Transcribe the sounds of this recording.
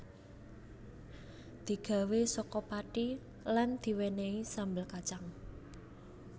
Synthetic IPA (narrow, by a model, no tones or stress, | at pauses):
d̪̥i̤ɡ̥a̤wesɔkɔpaʈi | land̪̥i̤weneisambəlkat͡ʃaŋ